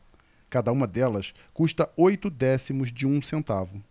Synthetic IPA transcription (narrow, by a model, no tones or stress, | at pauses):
kad̪ɐũmɐd̪ɛlɐs | kuʃt̪ɐojt̪ʊd̪ɛsimʊzd͡ʒɪũsẽnt̪avʊ